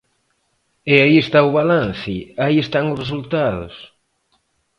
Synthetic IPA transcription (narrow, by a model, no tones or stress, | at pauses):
eaiest̪aʊβ̞alanθɪaiest̪aŋʊzres̬ult̪aðʊ̰s